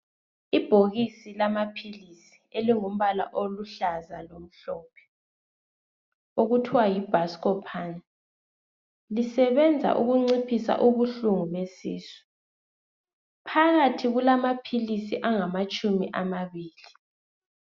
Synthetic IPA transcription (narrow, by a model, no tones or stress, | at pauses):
ib̥ʱoɣisilamapʰilisi̥eliŋum̩βala̰ʔoluɬazalom̩ɬɔːpʰɛ̥ | oɣutʰiwajib̥ʱaskɔpʰaːna | lisɛβɛnd͡zʱa̰ʔuɣuŋ͡ǀipʰisa̰ʔuβuɬuŋumesḭːsi̥ | pʰaɣatʰiɣulamapʰilisiʔaŋamat͡ʃʼumiʔamaβiːli